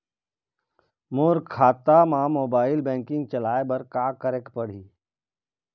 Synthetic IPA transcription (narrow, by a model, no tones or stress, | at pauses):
moːɾkʰaːt̪amãːmoːbaːɪlbɛ̃ːŋkɪ̃ŋɡ̚t͡ʃəlaːebɐɾkaːkəɾekpəɽ̤iː